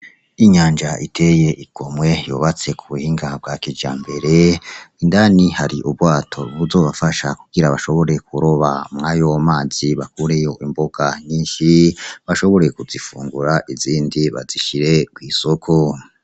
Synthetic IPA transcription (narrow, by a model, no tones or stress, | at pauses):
iɲaːnd͡ʒaʔitʰe̞jeʔiɡ̥o̞mwe̞joβat͡se̞kʰuβuhiŋɡab̚ɡakid͡ʒaːmbe̞ɾe̞indanihaɾiʔubwaːtʰo̞βuzo̞ːβafaʃakuɡ̥iɾaβaʃo̞βo̞ɾe̞kuɾoβamŋajomaːz̥iβakuɾejo̞ʔimboɡ̥aɲiːnʃiβaʃo̞βo̞ɾe̞kuzifṵːŋɡuɾaʔiziːndiβa̰ziʃiɾe̞ɡ̥wiːso̞kʰo̞